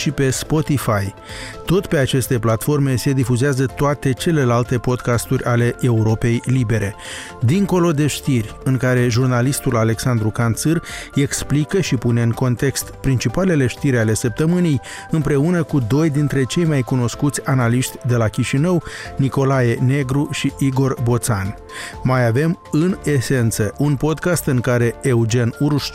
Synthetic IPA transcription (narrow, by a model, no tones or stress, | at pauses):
ʃipe̞spo̞t̪ifaj | t̪o̞t̪pe̞at͡ʃe̞st̪e̞plat̪fo̞rme̞se̞d̪ifuzeazət̪oat̪e̞t͡ʃe̞le̞lalt̪e̞po̞d̪kast̪urʲʔale̞ʔe̞uɾo̞pe̞jlibe̞ɾʔe̞ | d̪iŋko̞lo̞d̪e̞ʃt̪irʲɨŋkaɾe̞ʒurnalist̪ulale̞ksand̪ɾukant̪sɨre̞ksplikəʃipune̞ɨŋko̞nt̪e̞kst̪pɾint͡ʃipale̞le̞ʃt̪iɾʲale̞səp̚t̪əmɨnij | ɨmpɾe̞unəkud̪o̞jd̪int̪ɾe̞t͡ʃe̞jmajkuno̞skut̪sʲanaliʃt̪ʲd̪e̞lakʲiʃinəwniko̞laje̞ne̞ɡɾuʃiʔiɡo̞rbo̞t̪san | majave̞mɨne̞se̞nt̪səʔunpo̞d̪kast̪ɨŋkaɾe̞eud͡ʒenuɾʃ